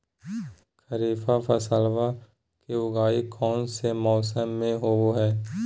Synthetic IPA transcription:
kʰəɾiːfapʰɐsəlʋa | kiʊɡaːikʰɔːnsemɔːsəmːẽɦooɦɛː

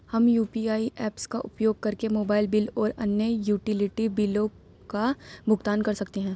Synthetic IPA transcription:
hɐmjuːpiaːiʔɛːpskaʔʊpjoːɡ̚kɐɾkemoːbaːɪlbɪlɔːɾɐnjəjuːʈɪlɪʈibɪlõ | kabʱʊɡt̪aːnkɐɾsɐkt̪eɦɛ̃ː

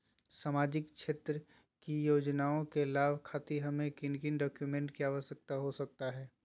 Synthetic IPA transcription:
saːmaːd͡ʒɪkʃʰeːt̪ɾə | kijoːd͡ʒnaːõkelaːbʱkʰaːt̪iɦɐmẽkɪnkɪnɖɔːkjumẽːɳʈkiaːʋəsjək̚t̪aɦosɐk̚t̪aɦɛː

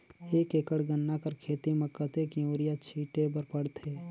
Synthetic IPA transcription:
eːkekəɽɡənːakəɾkʰeːt̪iməkːət̪ekioːɾɪjat͡ʃʰiːʈepəɾpəɽt̪ʰeː

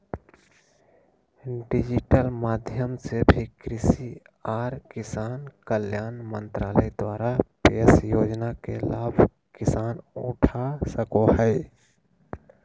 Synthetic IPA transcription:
ɖɪd͡ʒɪʈəlmaːd̪ʱjəmsebʱikɾɪsi | aːɾkɪsaːnkəljaːnmənt̪ɾaːləjd̪waːɾapeːsjoːd͡ʒnakḛlaːbʱ | kɪsaːnʊʈʰasəkohəɪ

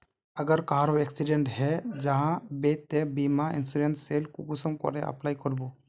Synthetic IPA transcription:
əɡəɾkaɦaɾɔweksiɖeɳʈɦɛd͡ʒaɦãbet̪ɛbimaḭnsuɾenselkukusɔmkɔ̰ɾɛʔə̰plajkɔɾbo

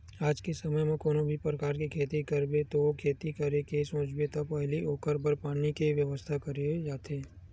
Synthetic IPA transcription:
aːd͡ʒkesɐməjmẽkoːnõbʱipɾəkaːɾkikʰeːt̪ikɐɾbet̪okʰeːt̪ikɐɾekesõːt͡ʃbet̪ɐpɛɦlioːkəɾbəɾpaːnikiʋjəʋəst̪ʰakɐɾed͡ʒaːt̪ʰeː

